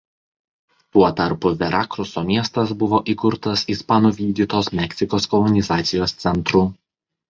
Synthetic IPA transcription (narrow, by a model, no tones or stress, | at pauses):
t̪uɔt̪ɐɾpʊʋʲɛɾɑːkɾʊsoːmʲiɛst̪ɐsbʊʋoːʔiˑkʊɾt̪ɐsispɑnuːʋʲiːd̪ʲiːt̪oːsmʲɛksʲɪkoːskɔlˠɔnʲɪzɑːt̪sʲɪjoːst̪sʲɛnt̪ɾʊ